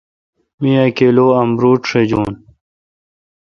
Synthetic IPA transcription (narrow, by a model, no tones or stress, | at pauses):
miakeːloːɐmɾuːʈʂed͡ʑuːn